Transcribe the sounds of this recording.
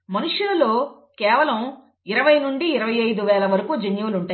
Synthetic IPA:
mɐnuʂululo̞ː | kɛːʋɐlɐm | iɾɐʋɐjnuɳɖiːɾɐʋɐjɐjd̪uʋɛːlɐʋɐɾɐkud͡ʒenjuuluɳʈaː

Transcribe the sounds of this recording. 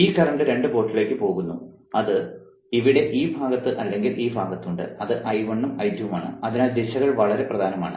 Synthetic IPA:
iːkːɐrɐɳɖɨɾe̞ɳɖɨbo̞ːʈːile̞ːkːɨpo̞ːɣunːu | ɐðɨ | iʋiɽe̞ʔiːbʱaːɡɐt̪ːɨʔɐlːe̞ŋɡilʔiːbʱaːɡɐt̪ːuɳɖɨ̰ɐðɨʔɐjʋɐɳːɐmɐjd̪ʱjɐʋɐmaːɳɨ̰ɐðinaːld̪iɕɐɣɐɭʋɐɭɐɾe̞prɐd̪ʱaːnɐma̰ːɳɨ̰

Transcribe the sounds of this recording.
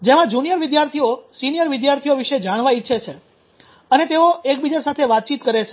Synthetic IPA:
d͡ʒemãd͡ʒunijəɾʋid̪jaɾt̪ʰiosinijəɾʋid̪jaɾt̪ʰijoʋiʃed͡ʒaɽ̃ʋaitːʃʰet͡ʃʰe | ənet̪eoek̚bid͡ʒasat̪ʰeʋat̪̚t͡ʃit̪kəɾet͡ʃʰe

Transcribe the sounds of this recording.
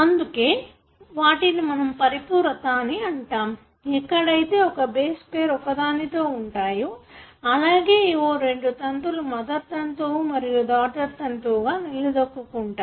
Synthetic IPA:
ɐnd̪uke̞ː | ʋaːʈinimɐnɐmpɐɾipuːɾɐt̪aːniɐɳʈaːm | ɛkːɐɽɐjt̪e̞ːɔkɐbeːspeːɾɔkɐd̪aːnit̪o̞ːuɳʈaːjuɐlaːɡe̞ːoːɾe̞ɳɖut̪ɐnt̪ulumɐd̪ɐt̪ːɐnt̪umɐɾijud̪aːʈɐɾt̪ɐnt̪uːɡaːnilːid̪ɐkːukuɳʈaː

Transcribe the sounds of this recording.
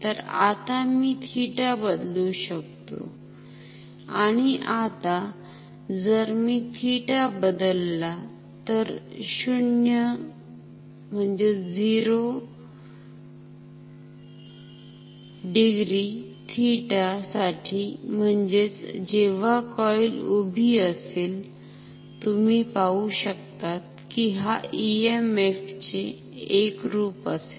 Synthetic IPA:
t̪əɾa̰t̪amiːt̪ʰiʈabəd̪luɕək̚t̪o̰ | aɽ̃iʔat̪a | d͡zəɾmiːt̪ʰiʈabəd̪əlːa | t̪əɾɕuɳjə | m̤əɳd͡zed͡ziɾo | ɖiɡɾi | t̪ʰiʈasaʈʰiːm̤əɳd͡ʑet͡sd͡ʑeʋakɔjlobʱiəseːl | t̪umiːpauɕəkt̪at̪̚ | kiɦaiemeft͡ɕeː | kɾuːpəse̥

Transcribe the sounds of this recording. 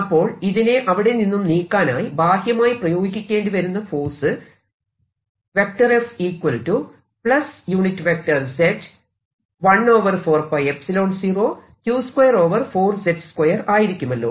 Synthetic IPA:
ɐpːo̞ːɭiðineʔɐʋiɽe̞ninːumniːkːaːna̰ːjibʱaːhjɐmaːjiprɐjo̞ːɡikʲːikʲːeːɳɖɨʋɐɾunːɐfo̞ːsɨ | ʋe̞k̚ʈɐresiːkwɐltːu | pɭɐsjuːɳitːɨʋek̚ʈɐrsetː | ʋɐɳːo̞ːʋɐrfo̞ːrpɐjepsilo̞ːɳsiːro̞ː | tjuːskwɐjɐro̞ːʋɐrfo̞ːrsetskwɐjɐraːjiɾikʲːumɐlːo̞̰ː

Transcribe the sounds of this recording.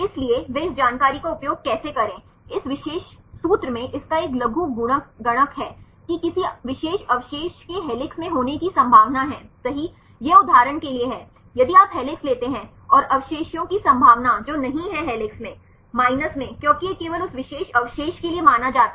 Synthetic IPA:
ɪslieʋeːɪsd͡ʒaːnkaːɾikoʊpjoːɡ̚kɛːsekɐɾẽː | ɪsʋɪʃeːʃsuːt̪ɾəmẽʔɪskaeːklɐɡʱũɡʊɽ̃əkɡɐɽ̃əkɦɛː | kikɪsiʋɪʃeːʃɐʋɪʃeːʃkeɦɛːlɪksmẽɦoːnekisɐ̃mbʱaːʋnaɦɛ̃ːsɐɦi | jeʊd̪ʱːaːɾəɳkelieɦɛː | jɐd̪iaːpɦɛːlɪksleːt̪eɦɛ̃ | ɔːɾɐʋʃeːʃjõkisɐ̃mbʱaːʋnad͡ʒoːnɐɦĩɦɛɦɛːlɪksmẽ | maːɪnəsmẽkjõːkijekeːʋəlʊsʋɪʃeːʃɐʋɪʃeːʃkeliemaːnad͡ʒaːt̪a

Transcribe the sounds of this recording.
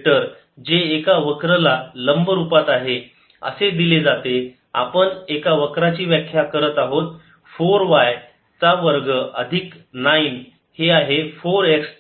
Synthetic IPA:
ʈəɾ | d͡ʑeːkaʋəkɾəlaləmbəɾupat̪aɦe | ə̰sed̪iled͡zat̪e | a̰pəɳekaʋəkɾat͡ɕiːʋjəkʰjakəɾət̪aɦot̪̚ | foɾʋaj | t͡saʋəɾɡəʔəd̪ʱiknain | heaɦefoɾeks

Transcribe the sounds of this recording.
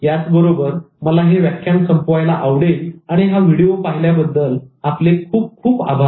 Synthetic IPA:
jat͡sbəɾobəɾ | məlaɦeʋjakʰjãŋksəmpoʋajlaʔaʋɽeaɽ̃iɦaʋiɽijopaɦiljabəd̪ːəlaplekʰuːp̚kʰuːpa̰bʱa

